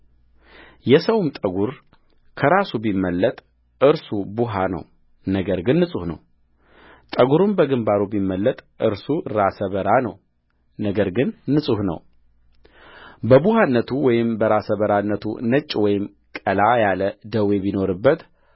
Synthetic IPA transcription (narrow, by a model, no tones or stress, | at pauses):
jɛsəwmt̪ʼəɡuɾ | kʰəɾasubimːəlːət̪ʼ | ʔɨɾsubuɦanə̰w | nəɡəɾɡɨnːɨsʼuhnə̰w | t̪ʼəɡuɾumbəɡɨmbaɾubimːəlːət̪ʼʔɨɾsuɾasəβəɾanəw | nəɡəɾɡɨnːɨsʼuhnə̰w | bəbuhanːət̪ʰuwɔjɪmbəɾasəβəɾanːət̪ʰṵnət͡ʃʼːwɔjɪm | kʼəlajaləd̪əwe̞bino̞ɾɨbːət̪